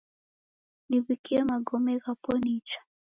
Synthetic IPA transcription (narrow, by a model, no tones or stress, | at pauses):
niβikiɛmaɡɔmɛɣapɔnit͡ʃḁ